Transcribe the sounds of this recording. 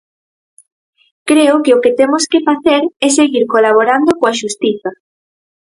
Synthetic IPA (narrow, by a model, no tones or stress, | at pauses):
kɾeʊkeʊkɪt̪emʊskɪfaθeɾɛseɣiɾkolaβ̞oɾand̪okoaʃust̪iθɐ